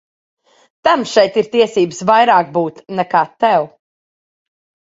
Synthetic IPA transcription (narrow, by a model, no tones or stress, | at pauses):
t̪amʃɛjt̪iɾt̪iɛsiːbɨsvajɾaːk̚buːt̪nɛkaːt̪ɛw